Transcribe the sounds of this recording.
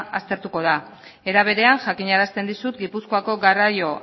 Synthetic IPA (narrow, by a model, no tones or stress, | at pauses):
ast̪e̞ɾt̪uko̞ð̞a | e̞ɾaβ̞e̞ɾe̞aŋʝakiɲaɾast̪e̞nd̪isut̪ɡipusko̞ako̞ɡarajo̞